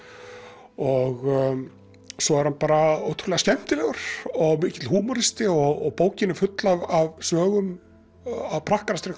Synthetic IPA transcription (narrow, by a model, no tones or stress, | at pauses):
ɔɣ | sɔɛɾ̥hanpaːɾaowt̪ʰɾʏlɛɣascɛm̥t̪ɪlɛɣʏɾ̥ɔɣmɪcɪ̥t̪lɦuːmɔɾɪst̪ɪɔɣɔɣpoːwcɪnɪfʏt̪lavavsvœːɣʏm | avpʰɾahkaɾast̪ɾɪ